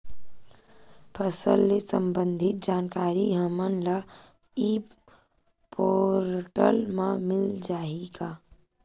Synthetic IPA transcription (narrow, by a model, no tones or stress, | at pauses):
pʰəsə̰lːesə̃mbə̃nd̪ʱɪt̪̚d͡ʒaːnkaːɾiɦəmənla | i | poːɾʈə̰lmãmɪld͡ʒaːiɡaː